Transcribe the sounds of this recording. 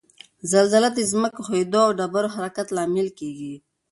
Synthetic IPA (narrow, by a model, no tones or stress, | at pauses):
zalzalad̪ezməkoxojd̪oawɖabaɾohaɾakat̪lɑmɪlkeɡi